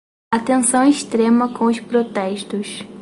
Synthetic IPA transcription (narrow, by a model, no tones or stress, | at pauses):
at̪ẽsɐ̃w̃iʃt̪ɾẽmɐkʰõʊʃpɾot̪ɛʃt̪ʊʃ